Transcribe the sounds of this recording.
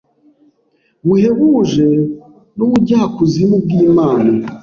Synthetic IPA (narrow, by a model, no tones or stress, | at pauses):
βuhe̞βuʒe | nuβuɟaːkuzimub̚ɡiːmaːna